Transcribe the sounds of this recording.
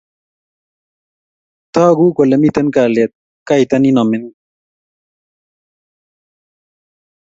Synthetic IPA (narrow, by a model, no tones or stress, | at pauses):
t̪aːɡuːkolɐmit̪ɐnkaːlet̪̚ | kajt̪ɐninɐmin